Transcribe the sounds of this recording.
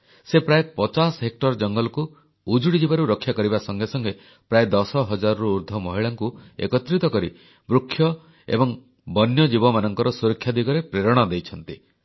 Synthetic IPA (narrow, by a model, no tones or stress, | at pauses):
sepɾaepɔt͡ʃasɦek̚ʈɔɾd͡ʒɔŋɡɔlɔku | ud͡ʒuɽid͡ʒibaɾuɾɔkʰːjakɔɾibasɔŋɡʱesɔŋɡe | pɾaed̪ɔsɔɦɔd͡ʒaɾɔɾuuɾd̪ʱɔmɔɦiɭaŋkuḛkɔt̪ɾit̪ɔkɔɾḭ | bɾukʰːjɔ | ḛbɔŋ | bɔnjɔd͡ʒibɔmanɔŋkɔɾɔsuɾɔkʰːjad̪iɡɔɾepɾeɾɔɽ̃ad̪ejt͡ʃʰɔnt̪i